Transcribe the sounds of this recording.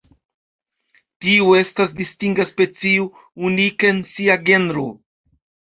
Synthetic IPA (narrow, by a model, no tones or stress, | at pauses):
tiue̞stasdistiŋɡaspe̞t͡sio | unikeensiaɡe̞nɾo